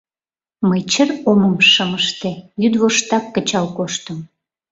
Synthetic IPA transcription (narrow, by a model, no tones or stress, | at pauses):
məjt͡ɕəroməmʃəməʃt̪ejyd̪βoʃt̪ɑkːət͡ɕɑlkoʃt̪əm